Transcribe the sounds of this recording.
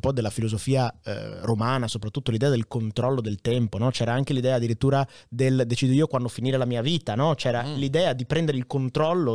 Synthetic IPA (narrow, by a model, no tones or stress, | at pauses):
pɔd̪elːafilozofiːa̰romaːnasopɾat̪ːut̪ːolid̪ɛːad̪elkont̪ɾɔlːod̪elt̪ɛmponɔt͡ʃɛːɾaaŋk̟elid̪ɛːaːd̪ːiɾit̪ːuːɾa | d̪eld̪et͡ʃiːd̪oiːokwand̪ofiniːɾelamiːaviːt̪anɔt͡ʃɛːɾalid̪ɛːad̪ipɾɛnd̪eɾeilkont̪ɾɔlːo